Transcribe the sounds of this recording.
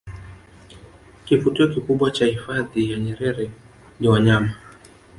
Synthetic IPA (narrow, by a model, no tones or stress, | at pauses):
kifutiɔkikuɓwat͡ʃahifaðijaɲɛɾɛɾɛ | niwaɲama